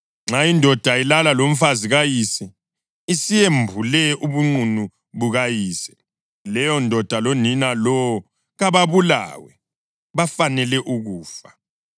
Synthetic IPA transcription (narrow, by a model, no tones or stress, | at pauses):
ŋ͡ǁajindʱɔd̥ʱailalalom̩faziɣajisɛ | isijembʱulɛuβuŋ͡ǀunu | βuɣajiːsɛ̥ | lɛjɔndʱɔd̥ʱaloninalɔwɔ | ɣaβaβula̰ːwɛ | βafanɛlɛʔuɣuːfa